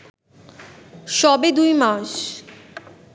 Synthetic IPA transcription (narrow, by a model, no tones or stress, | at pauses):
ʃɔbed̪ujmaʃ